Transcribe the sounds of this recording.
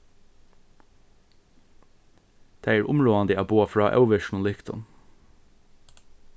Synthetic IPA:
t̪ʰæɪæːɹʔʊmɹoːand̪əæːboːafɹɑːʔœ̰wʋɪʃn̩ʊnlɪkt̪ʊ̰n

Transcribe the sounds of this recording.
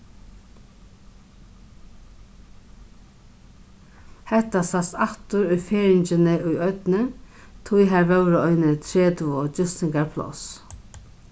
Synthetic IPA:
hɛht̪ːasasaht̪ʊɾʊjfeːɾɪɲt͡ʃɪnɪʊjœt̪nɪ | t̪ʰujɦaɾvɛwɾɪɔjnɪt̪ʰɾeːt̪ɔt͡ʃʏst̪ɪŋkaɹpʰlɔ̰s

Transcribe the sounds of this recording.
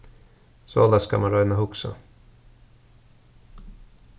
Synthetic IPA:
sɔ̰d̪aska̰manɾœjnaɦʊksa̰

